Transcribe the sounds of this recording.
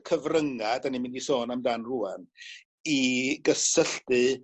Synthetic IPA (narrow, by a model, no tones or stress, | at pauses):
kʰəvrəŋadanimɪndisoːnamdaːnruːan | iɡəsəɬtɨ